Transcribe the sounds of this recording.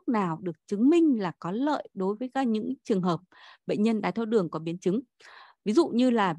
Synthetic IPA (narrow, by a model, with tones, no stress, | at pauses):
k̚naː˨˩wɗɨ˨˩ək̚t͡ɕɨ˨˦ŋmï˧ŋ̟laː˨˩kɔ˨˦lə̰ː˧˨jɗo˨˦jvəː˨˦jkaː˧ɲɨ̰˧˥ŋt͡ɕɨ˨˩əŋɦəː˨˩p̚ɓə̰˧˨ŋ̟ɲə˧nɗaː˨˧˩jt̪ʰo˧wɗɨ˨˩əŋkɔ˨˦ɓi˨˦ənt͡ɕɨ˨˦ŋ | vi˨˦zṵ˧˨ɲɨ˧laː˨˩